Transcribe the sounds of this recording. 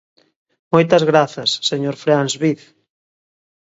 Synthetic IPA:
mojt̪ɐzɣɾaθɐsːeɲoɾfɾanzβiθ

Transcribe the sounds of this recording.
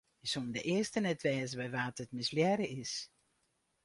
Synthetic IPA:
ɪsondə̰ʔɪəstənɛtʋɛːzəbɛjʋaːtətmɪsljɛɾəɪs

